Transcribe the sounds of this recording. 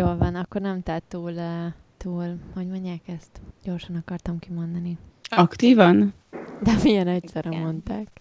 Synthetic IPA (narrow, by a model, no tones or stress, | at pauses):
joːlvɒnɒkːo̞rnɛmt̪ɛt̪ːuːl | t̪uːlho̞ɟmo̞ɲɟːaːkɛst̪ɟo̞rʃɒnɒkɒrt̪ɒmkimo̞nd̪ɒniɒkt̪iːvɒn | d̪ɛmijɛnɛc̪sɛrɾɛmo̞nt̪aːk